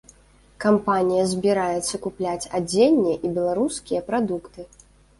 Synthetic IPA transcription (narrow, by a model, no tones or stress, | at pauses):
kampanʲijɐzʲbʲiɾajɛt̪sːɐkuplʲat͡sʲad͡zʲenʲːiɛʔibʲɛlˠaɾuskʲijɐpɾad̪ukt̪ɨ